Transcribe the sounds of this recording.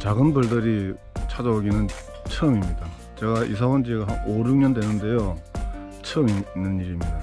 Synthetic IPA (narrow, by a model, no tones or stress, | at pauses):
t͡ɕaɡɯnbɯɭdɯɾi | t͡ɕʰad͡ʑaboɡinɯn | t͡ɕʰɯmimɲida | t͡ɕe̞ɡaʔḭs̬ʰawʌnd͡ʑiɡaɦanoɾuɲʌndenɯnde̞jo | t͡ɕʰʌminɯniɾimɲida